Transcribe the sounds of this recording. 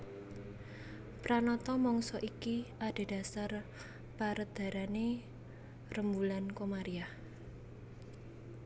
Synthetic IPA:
pɾanɔt̪ɔmɔŋsɔʔikiaɖ̥e̤d̥a̤sar | paɾəd̪̥a̤ɾane | rəmbulankomaɾiah

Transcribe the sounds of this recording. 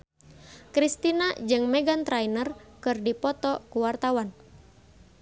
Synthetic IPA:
kɾist̪inad͡ʒɨŋmɛɡant̪ɾajnərkɨrdipɔt̪ɔkuwart̪awan

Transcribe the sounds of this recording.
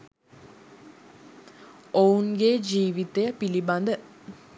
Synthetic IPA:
ounɡed͡ʒiːʋit̪ejəpiliband̪ə

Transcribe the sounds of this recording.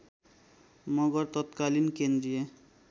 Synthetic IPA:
mɔɡɔɾt̪ɔt̪kalinkend̪ɾije

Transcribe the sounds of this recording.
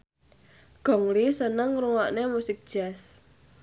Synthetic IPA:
ɡ̥ɔ̤ŋlisənəŋɾuwaʔnemusɪk̚d̥ʒ̥a̤s

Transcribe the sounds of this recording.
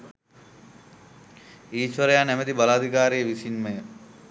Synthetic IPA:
iːʃʋɐɾəjaːnæmed̪ibalaːd̪ʱikaːɾijəʋisinmej

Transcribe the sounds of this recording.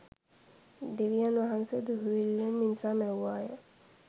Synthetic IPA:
d̪eʋijanʋaɦansed̪uɦuʋilːemːinsamɛwʋaːjə

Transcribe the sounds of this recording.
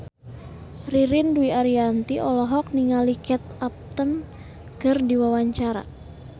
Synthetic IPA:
riɾinduiaɾiant̪iʔɔlɔɦɔk̚niŋalikɛt̪̚ap̚t̪ən | kɨrdiwawaɲt͡ʃaɾa̰

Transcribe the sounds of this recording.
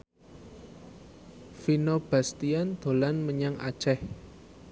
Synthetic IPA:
finob̥a̤st̪iand̪̥o̤lanməɲaŋʔa̰d̥ʒ̥ɛh

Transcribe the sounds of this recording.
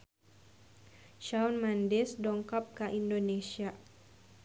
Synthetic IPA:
ʃawnmandɛsdɔŋkɔp̚kaʔindonesia

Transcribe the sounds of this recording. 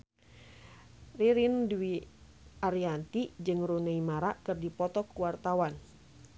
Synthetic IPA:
riɾindwi | aɾiant̪id͡ʒɨŋruneimaɾaʔkɨrdipɔt̪ɔkuwart̪awan

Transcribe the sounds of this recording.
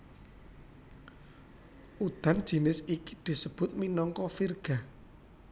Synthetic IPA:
ʔud̪̥a̤n̥ʒ̥i̤nɪsiki̥d̪̥i̤səb̥ʊ̤t̪̚minɔŋkɔfirɡ̥a̤

